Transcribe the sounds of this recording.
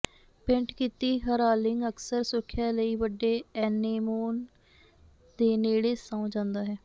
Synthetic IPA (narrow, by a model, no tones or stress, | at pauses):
pɪ̃ɳʈkiːt̪iːɦəɾaːlɪŋɡəksəɾsʊkʰːjaːləiːʋəɖːeːɛːneːmoːn | d̪eːneːɽeːsaũd͡ʒãːnd̪aːɦɛː